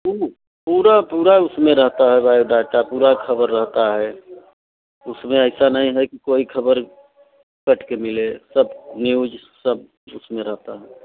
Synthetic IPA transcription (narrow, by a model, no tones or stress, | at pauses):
u | puːɾapuːɾaʊsmẽɾəɦt̪aɦɛbajoɖaːʈapuːɾakʰəbəɾːəɦt̪aɦɛ | ʊsmẽəɪsanəɦĩɦɛkikoːikʰəbəɾ | kəʈʰkemɪlesəbniud͡ʒ | səb | ʊsmẽɾəɦt̪aɦɛ